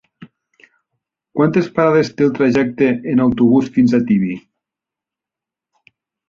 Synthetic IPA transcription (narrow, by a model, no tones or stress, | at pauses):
kwant̪espaɾaðest̪elˠt̪ɾaʒɛk̚t̪eːnawt̪uβ̞usfinzat̪iβi